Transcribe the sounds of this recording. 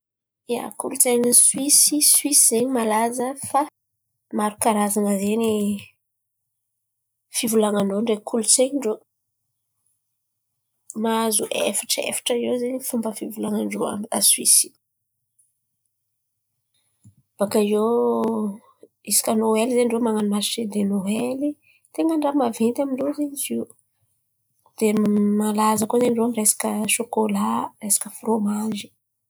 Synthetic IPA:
a̰kulut͡seɲiswisiswisizeɲimalazəfa | maɾukaɾazanəzeni | fivulaŋaɳɖ͡ʐoɳɖ͡ʐekʰulut͡seɲɳɖ͡ʐo | mazuʔḛfḁʈ͡ʂḛfḁʈ͡ʂəewzeɲifumbəfivulaŋaɳɖ͡ʐoa̰mia̰swisi̥ | b̥akajo | isi̥kʲənoelizeɳɖ͡ʐomaŋanumasʃed̪enoeli | t̪eŋɡəɳɖ͡ʐamavent̪amiɳɖ͡ʐozeɲiziu | d̪̥emalazəkozeɳɖ͡ʐoamiresḁkəʃokolaresḁkəfromaʒi̥

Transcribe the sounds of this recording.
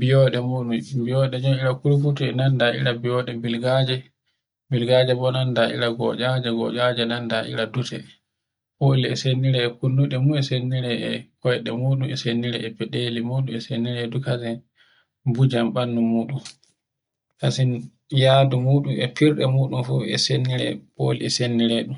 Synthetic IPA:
bijɔɗɛmuːɗumbijɔɗɛd͡ʒɔmiɾakulfutuɛnandaʔḭɾabijɔɗɛbilɡad͡ʒɛ | bilɡad͡ʒɛbɔnandaʔḭɾaɡɔ̰d͡ʒad͡ʒɛɡɔ̰ʔad͡ʒɛnandaʔḭɾadutʰɛ̰ | ʔoliɛsenːiɾɛɛkunːuɗɛmuɛsenːiɾɛɛkɔjɗɛmuːɗumɛsenːiɾɛɛpɛɗelimuːɗumɛsenːiɾɛdukasin | bud͡ʒamɓanːumuːɗum | kasin | jaːdumuːɗumɛpiɾɗɛmuːɗunfuɛ̰senːiɾɛ̰ɓo̰liɛsenːiɾɛɗum

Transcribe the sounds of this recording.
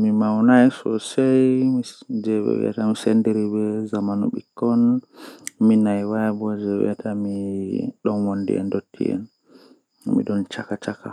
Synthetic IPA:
mimawnajsɔsajmid͡ʒɛwɛ̰wɛ̰tamisɛndɛɾibɛzamanṵɓikːɔn | minajwajabɔd͡ʒɛwɛ̰tʰamiɗɔnwondḭɛ̰ndotːḭɛ̰n | mḭɗɔnt͡ʃakat͡ʃaka̰

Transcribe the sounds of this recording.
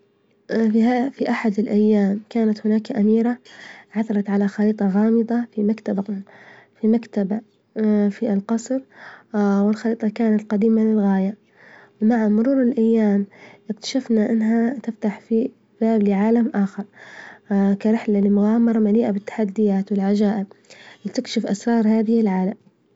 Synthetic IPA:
afiʔaħad̪ɪlʔajːaːmkaːnat̪hɪnaːkʔamiːɾaʕaθɑɾˤɑt̪ʕalaxɑɾiːt̪ˤɑɣɑːmɨd̪ˤɑfimakt̪ab | fimakt̪aba | filqɑsˤɾ | wɪlxɑɾiːt̪ˤɑkaːnat̪qɑd̪iːmalɪlɣaːja | wmaʕamʊɾuːɾɪlʔajːaːmʔɪkt̪ḁʃafnaʔɪnːɦat̪ɪft̪aħfi | b̥aːblɪʕaːlamʔaːxɑɾˤ | kaɾɪħlalɪmʊɣaːmɑɾˤɑmaliːʔabɪt̪ːḁħad̪ːɪjaːt̪wɪlʕad͡ʒaːʔɪb̚lɪt̪ɪkʃɪfʔasɾˤɑːɾˤhaːðɪhɪlʕaːlam

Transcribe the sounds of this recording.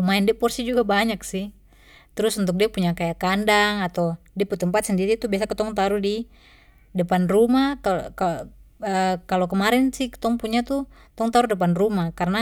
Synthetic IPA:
maɛndɛpɔrsid͡ʒuɡabaɲaksih | t̪əɾʊsunt̪̬uk̚diapuɲakajakandaŋat̪awdiput̪əmpat̪̚səndiɾit̪ubiasakət̪ɔŋt̪aɾudi | dəpanrumakakaəkalokəmaɾɛnsihkə̥t̪ɔŋpuɲat̪u | t̪ɔŋt̪aɾudəp̬anrumakarna

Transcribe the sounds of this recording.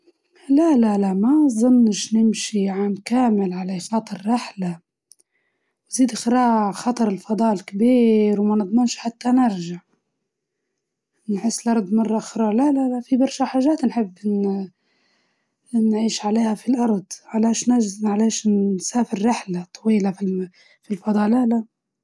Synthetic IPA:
lalalaʔmazˤʊnːʃnɪmʃiʕaːmkaːmɪlʕalaxɑt̪ˤɑɾˤːɪħla | wziːd̪ʔxɾɑːʕxɑt̪ˤɑɾˤɪlfɑd̪ˤɑːʔɪlkabiːɾwmanɨd̪ˤmɪnʃħat̪ːanɪɾʒaʕ | nħɪsːɪlʔɑɾˤd̪ˤmɑrˤːɑxɾˤɑːlalalafibɑɾˤʃaħaːʒaːt̪nħɪbːɪ | nʕiːʃʕaleːhafilʔɑɾˤd̪ˤʕalaːʃnaʕaleːʃsaːfɪɾːɪħlat̪ˤʰːɑwiːlafi | filfɑd̪ˤɑːʔlala

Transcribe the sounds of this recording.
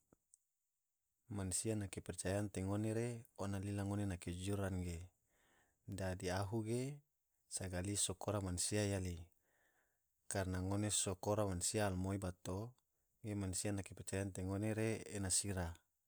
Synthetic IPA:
mansianakepɛrt͡ʃajant̪eŋoneɾeonalilaŋonenaked͡ʒuɾanɡe | dadiaɦuɡe | saɡalisokoɾamansiajali | karnaŋonesokoɾamansiaːlmoibat̪o | ɡemansianakepɛrt͡ʃajant̪eŋoneɾeːnasiɾa

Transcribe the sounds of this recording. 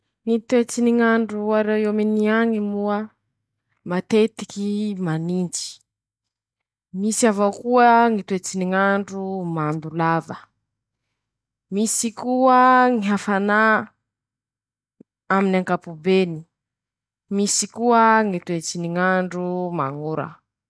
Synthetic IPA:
ŋit̪uet͡siniŋaɳɖ͡ʐuaɾewiominiaŋimuə | mat̪et̪i̥kimanind͡ʒi̥ | misiavakuəŋit̪uet͡siniŋaɳɖ͡ʐumand̪ulavə | misikuəŋiɦafana | aminaŋkapubeni | misikuəŋit̪uet͡siniŋaɳɖ͡ʐuma̰ŋuɾə̰

